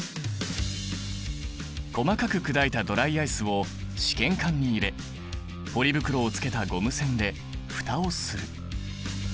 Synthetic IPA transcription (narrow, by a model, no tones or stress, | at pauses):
ko̞makakɯ̟kɯ̟d̪ait̪ad̪o̞ɾaiaisɨβo̞ | ɕi̥kẽ̞ŋkãɲ̟ːiːɾe̞ | po̞ɾʲibɯ̟kɯ̟ɾo̞ːt͡sɨ̥ke̞t̪aɡo̞mɯ̟sẽ̞nd̪e̞ | ɸɯ̥t̪ao̞sɨɾɯ̟